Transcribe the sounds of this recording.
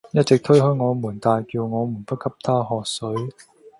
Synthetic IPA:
jɐ˥t̚t͡sɪ˨k̚t̪ʰɵ˥ɥɦɵ˨˥ɥŋɔː˨˧muː˨˩nt̪aː˨˧jkiː˧wŋɔː˨˧mu˨˩npɐ˥t̚kʰɐ˥p̚t̪ʰaː˥ɦɔː˨k̚sɵ˨˥ɥ

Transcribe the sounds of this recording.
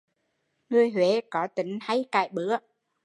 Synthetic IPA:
ŋɨ˧˩əjhwe˨˦kɔ˨˦t̪ï˨˦ŋ̟ha˧jka̰ː˧˩jɓɨ˨˦ə

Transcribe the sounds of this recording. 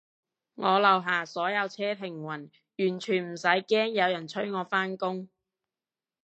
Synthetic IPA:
ŋɔː˨˧lɐ˨˧wɦaː˨˩sɔː˨˥jɐ˨˧wt͡sʰɛː˥t̪ʰɪ˨˩ŋwɐ˨˩n | jyː˨˩nt͡ʃʰyː˨˩nm̩˨˩sɐ˨˥jkɛː˥ŋjɐ˨˧wjɐ˨˩nt͡ʃʰɵ˥ɥŋɔː˨˧faː˥nkʊ˥ŋ

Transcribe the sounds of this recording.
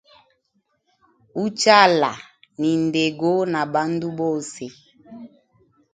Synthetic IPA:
u˦t͡ʃa˦˨la̰˨ | ni˨nde˨ɡo˦na˨ba˦ndu˦bo˦se˨

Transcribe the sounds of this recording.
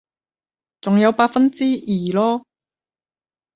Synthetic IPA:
t͡sʊ˨ŋjɐ˨˧wpaː˧t̚fɐ˥nt͡siː˥jiː˨˩lɔː˥

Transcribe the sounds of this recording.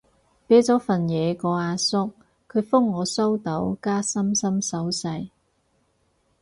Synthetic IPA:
pe˨˥t͡sɔː˨˥fɐ˨˩njɛː˨˧kɔː˨˧aː˨˧sʊ˥k̚ | kʰɵ˨˧ɥfʊ˥ŋːɔː˨˧so˥wt̪o˨˥wkaː˥sɐ˥msɐ˥msɐ˨˥wsɐ˧j

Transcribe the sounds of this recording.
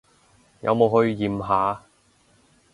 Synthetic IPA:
jɐ̰˨˧wmo˨˧wɦɵ˧ɥjiː˨mɦaː˨˥

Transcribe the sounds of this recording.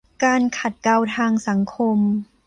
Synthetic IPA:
kaː˧nkʰa˨˩t̪̚ka˧wt̪ʰaː˧ŋsa˩˦ŋkʰo˧m

